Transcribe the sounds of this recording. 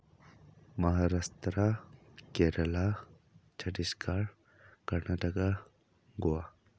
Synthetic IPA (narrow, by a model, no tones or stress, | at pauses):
mɐɦaɾast̪ɾakeɾɐla | t͡ʃʰɐʈiskaɾ | kɐɾnaʈəka | ɡowa